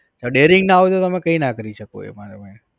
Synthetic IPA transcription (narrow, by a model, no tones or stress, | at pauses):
d͡ʒaɖeɾɪŋɡnaaʋet̪ot̪əmẽkəinakəɾiʃəko̰ḛmaɾamẽ